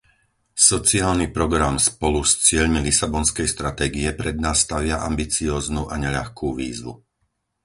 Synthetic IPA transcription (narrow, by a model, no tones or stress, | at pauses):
sɔt͡siaːlnipɾɔɡɾamspɔlust͡sɪɛʎmilisabɔnskɛjst̪ɾat̪ɛːɡiɛpɾɛd̪̚naːsːt̪aʋɪaʔa̰mbit͡siɔːznuːʔaɲɛʎa̰xkuːʋḭːzʋṵ